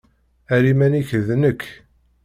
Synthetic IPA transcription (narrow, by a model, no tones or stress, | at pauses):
æɾimæniçəðnəkʰː